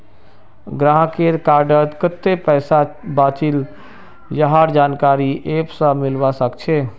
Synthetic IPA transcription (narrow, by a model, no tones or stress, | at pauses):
ɡɾãɦkeɾkaɾɖət̪kət̪ːepəjsabat͡ʃil | jəɦaɾd͡ʒankaɾiʔepsə̃milbasəkt͡ʃʰe